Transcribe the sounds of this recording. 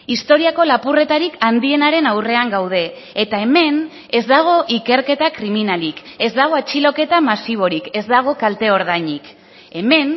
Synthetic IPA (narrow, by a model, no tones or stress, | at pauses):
ist̪o̞ɾiako̞lapure̞t̪aɾikand̪ie̞naɾe̞nawre̞aŋɡawð̞e̞ː | t̪ae̞me̞n | e̞zd̪aɣ̞o̞ʔike̞ɾke̞t̪akɾiminalike̞zd̪aɣ̞o̞at͡ʃilo̞ke̞t̪amasiβ̞o̞ɾike̞zd̪aɣ̞o̞kalt̪e̞o̞ɾð̞ajɲik | e̞me̞n